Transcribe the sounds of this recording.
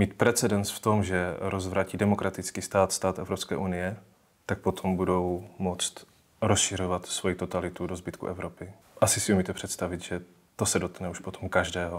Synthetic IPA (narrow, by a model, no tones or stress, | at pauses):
miːt̪̚pɾɛt͡sɛdɛnsft̪o̞mʒɛɾʔozvɾaːciːdɛmo̞kɾʔat̪ɪt͡skiːst̪aːt̪st̪aːt̪ʔɛvɾopskɛ̰ːʔunɪjɛ | t̪ak̚po̞t̪ʰo̞mbudo̞wmot͡st̪ | ɾosʃɪr̝o̞vat̪svo̞jit̪o̞t̪alɪt̪udozbɪt̪kṵʔɛvɾo̞pɪ | ʔasɪsɪumiːt̪ɛpr̥ɛt̪st̪avɪt̪ʒɛ | t̪o̞sɛdot̪knɛuʃpot̪ʰo̞mkaʒdɛːɦo